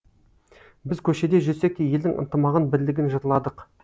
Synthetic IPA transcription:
bɪzkʲʰɵʃe̞d̪e̞ʒɵse̞k̚t̪ʲːeje̞ld̪ɪŋə̰nt̪əmɑʁənbɪɾlɪɡʲɪnʒɑt̪əlˠɑd̪əq

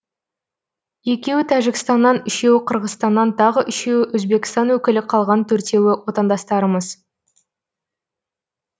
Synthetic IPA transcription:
je̞kʲe̞wɪt̪ʰæʒɪkst̪ɑnːɑnʏʃe̞wɪqʰəɾʁəst̪ɑnːɑnt̪ʰɑʁəʔʏʃe̞wɪʔɵzbe̞kʲɪst̪ɑnwɵkʲɪlɪqʰɑlˠʁɑnt̪ʰɵɾt̪e̞wɪwo̞t̪ɑnd̪ɑst̪ɑɾəməz

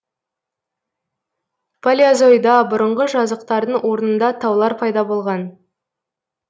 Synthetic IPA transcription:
pʰalʲiazo̞jd̪ɑbʊɾəɴʁəʒɑzəqt̪ɑɾd̪əɴwʔo̞ɾnənd̪ɑt̪ʰɑwlˠɑɾpʰɑjd̪ɑbo̞lˠʁɑn

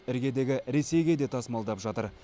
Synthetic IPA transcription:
ɪɾɡʲe̞d̪e̞ɡʲɪɾe̞se̞jɡʲe̞d̪e̞t̪ʰɑsmɑlˠd̪ɑpʒɑt̪əɾ

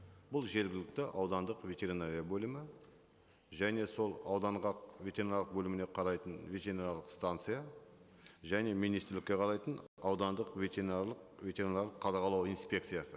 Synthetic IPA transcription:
bʊlˠʒe̞ɾɡʲɪlɪk̚t̪ɪʔɑwd̪ɑnd̪əqvʲe̞t̪ʲe̞ɾinaɾijabɵlʲɪmɪ | ʒæne̞so̞lˠɑwd̪ɑnʁɑqvʲe̞t̪ʲeɾinaɾləqbɵlɪmɪne̞qʰɑɾɑjt̪ənvʲe̞t̪ʲeɾinaɾlˠəqst̪ant̪sɨja | ʒæne̞mijnist̪ɪɾlɪkʲːe̞qʰɑɾɑjt̪ənɑwd̪ɑnd̪əqvʲe̞t̪ʲeɾinarlˠəqvʲe̞t̪ʲe̞ɾinaɾlˠəqʰːɑd̪ɑqɑlˠɑwijnspʲe̞kt̪sɨjasə

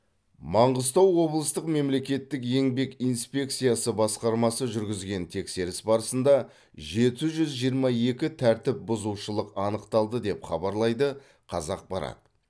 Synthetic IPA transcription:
mɑɴʁəzt̪ɑwːo̞blˠəst̪əqme̞mle̞kʲe̞t̪ːɪk̬je̞ŋbe̞kijnspʲe̞k̚t̪sɨjasəbɑsqɑɾmɑsəʒʏɾɡʲɪzɡʲe̞nt̪ʰe̞kse̞ɾɪsbɑɾəsənd̪ɑ | ʒe̞t̪ɪʒʏzʒijəɾmɑje̞kʲɪt̪ʰæɾt̪ɪp̚bʊzuʃəlˠəqɑnəqt̪ɑlˠd̪əd̪e̞pχɑbɑɾlˠɑjd̪ə | qʰɑzɑq̚bɑɾɑ̰d̪ə̥

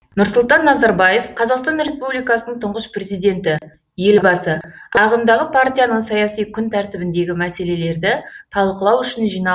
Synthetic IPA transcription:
nʊɾsʊlˠt̪ɑnːɑzɑɾbɑje̞fqʰɑzɑqst̪ɑnɾe̞spublijkɑsənəɴt̪ʰʊɴʁəspre̞zijd̪e̞nt̪ɪ | je̞lbɑsəɑʁənd̪ɑʁəpʰaɾt̪ʲijanəɴsɑjɑsijkʲʰʏnt̪ʰæɾt̪ɪbɪnd̪e̞ɡʲɪmæse̞le̞le̞ɾd̪ɪt̪ʰɑlˠqəlˠɑwʏʃɪnʒijnɑ

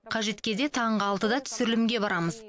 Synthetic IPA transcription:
qʰɑʒe̞t̪kʲe̞d̪e̞t̪ʰɑɴʁəɑlˠt̪əd̪ɑt̪ʰʏ̥sɪɾɪlɪmɡʲe̞bɑɾɑməz

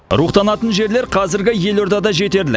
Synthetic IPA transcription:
ɾuqt̪ɑnɑt̪ənʒe̞ɾle̞ɾqʰɑzɪɾɡʲɪje̞lo̞ɾd̪ɑd̪ɑʒe̞t̪e̞ɾlɪ

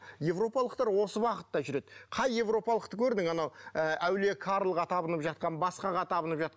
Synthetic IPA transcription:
je̞vro̞pɑlˠəqt̪ɑɾwo̞səwɑqət̪ːɑʒʏɾe̞d̪̥ɪqʰɑjːe̞vro̞pɑlˠəq̚t̪əkʲʰɵɾd̪ɪŋmɑnɑwəæwle̞kʰɑɾlˠʁɑt̪ʰɑbənəpʒɑt̪̚qɑnbɑsqɑʁɑt̪ʰɑbənəpʒɑt̪̚q

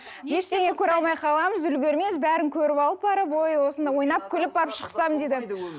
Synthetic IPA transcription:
be̞ʃt̪e̞ŋekʲʰɵɾɑlˠmɑjqʰɑlˠɑməzʏlɡʲeɾme̞sbæɾɪŋkʲʰɵɾɪpɑlˠəp̚bɑɾəpo̞jwo̞sənd̪ɑjwo̞jnɑp̚kʲʰʏlɪp̚bɑɾəpʃəqsɑmd̪ed̪ɪ

